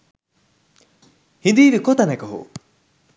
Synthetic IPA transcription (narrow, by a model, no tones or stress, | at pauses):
hind̪iːʋikot̪ɐnɐkɐɦṵ